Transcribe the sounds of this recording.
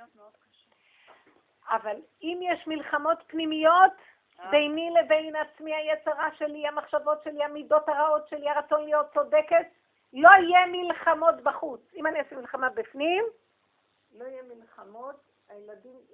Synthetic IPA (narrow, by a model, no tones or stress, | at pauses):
ameod̪̚kaʃe | ʔaval | imjeʃmilχamo̞tpnimijo̞t̪ | bejnilebe̞jnat͡smiajet͡seʁaʃe̞liamaχʃavo̞tʃeliamido̞taʁao̞tʃeliaʁat͡sonlijo̞t̚t͡sodeke̞t | lo̞ijemilχamo̞tbaχut͡simaniosemilχamabifnim | lo̞ijemilχamot | ajeladim